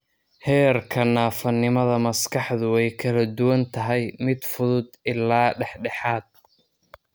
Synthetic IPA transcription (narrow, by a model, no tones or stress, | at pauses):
hɛːrkʰɐnaːfɐnːɪmɐðɐmɐskʰɑħðʊɛjkʰɐlɐd̪ʊwɐnt̪ʰɐɦɛjmɪd̪fʊðʊd̪ɪlːaːɖɛħɖɛħaːd̪̥̚